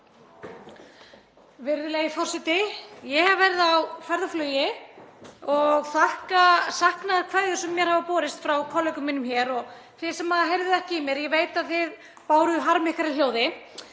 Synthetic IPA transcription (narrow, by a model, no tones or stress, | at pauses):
vɪɾðɪlejɪfɔr̥sɛt̪ɪjɛhavvɛɾɪðawfɛjɾðaflœːjɪ | ɔɣθahkasahknaðkʰvajðɪsɛmːjɛɾ̥havapɔːɾɪst̪fɾawkʰɔlœjkʏmːɪnʏmçɛːɾɔɣ | θɪ̥sɛmhaðaɦejɾvðɪɛhcɪimjɛɾjɛveːjt̪aðθɪð | paːwɾʏðʏɦaɾmɪhkaɾaljoːwðɪ